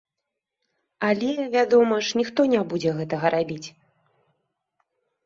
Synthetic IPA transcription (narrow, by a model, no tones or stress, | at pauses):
alʲɛvʲad̪ɔmɐʂnʲixt̪ɔnʲabud͡zʲɛɣɛt̪ɐɣɐɾʔabʲit͡sʲ